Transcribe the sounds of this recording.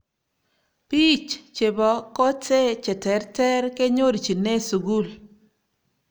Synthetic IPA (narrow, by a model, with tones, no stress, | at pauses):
pi˦t͡ʃt͡ʃe˨bɔ˨ko˦te˦t͡ʃɛ˨tɛ˨ɾtɛ˦ɾke˦ɲo˦ɾi˨t͡ʃi˨ne˦su˨ɡu˦l